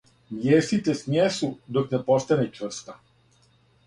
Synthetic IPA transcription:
mjest̪it̪esmjesud̪oknepost̪anɛt͡ʂvr̩st̪a

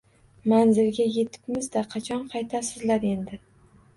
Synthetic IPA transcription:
manzɪlɡʲaje̞t̪ʰɪ̥pmɪzd̪aqʰɑt͡ʃʰɒnqʰɑjt̪ʰasɪzlaɾe̞nd̪ɪ

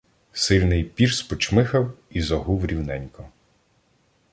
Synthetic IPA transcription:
sɪlʲnɪjpʲirspɔt͡ʃmɪxɐwizɐɦuwɾʲiwnɛnʲkɔ

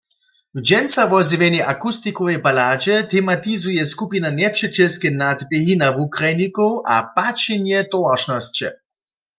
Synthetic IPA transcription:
wd͡ʒɛnsaʋɔziʋɛnɛʔakust̪ikɔʋɛjbalaːd͡ʒɛt̪ʰɛmat̪izujɛskupinanɛpʃɛt͡ʃɛskɛnad̪bɛɦinavukʁajnikowʔa̰pat͡ʃɛnjɛt̪ɔwaʃnɔst͡ɕɛ̰

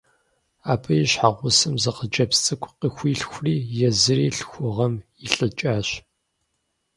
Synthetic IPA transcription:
aːpʰɐjiɕħaʁʷʊsɨmzɐqəd͡ʒʼɐpst͡sʼɨkʷʰʼqixʷiːɬxʷʊriːjɛzɨɾiːɬxʷʊʁɐm | iɬʼɨt͡ʃʼaːɕ

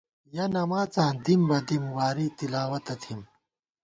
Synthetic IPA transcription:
jɐnɐmaːt͡sãːd̪imbɐd̪imwaːɾit̪ilaːwɐt̪ɐt̪ʰim

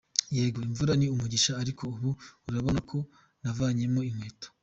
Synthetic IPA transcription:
jeːɡo̞iɱvuɾaniumuɟiʃaːɾikʰo̞uβuuɾaβo̞nakʰo̞ | navaːɲe̞mo̞imweːto̥

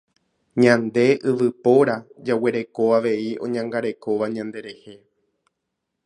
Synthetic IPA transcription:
ɲãnd̪e̞ʔɨʋɨpo̞ɾad͡ʒawe̞ɾe̞ko̞aʋe̞iõ̞̰ɲãŋɡaɾe̞ko̞ʋaɲãnd̪e̞ɾe̞he̞

